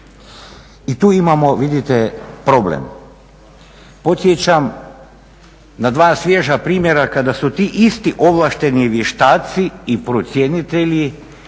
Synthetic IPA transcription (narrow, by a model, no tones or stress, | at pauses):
it̪uːimamoʋid̪it̪epɾo̞blḛm | po̞t̪sjet͡ɕam | nad̪ʋaːsʋʲjeʒapɾiːmʲjeɾakad̪asut̪iːʔist̪iʔoʋlˠaʃt̪e̞niʋjeʃt̪aːt̪siipɾot̪sjenit̪eʎi